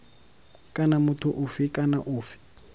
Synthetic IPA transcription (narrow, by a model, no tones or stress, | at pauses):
kʼanamʊtʰʊʔʊfikʼanaʔuːfi̥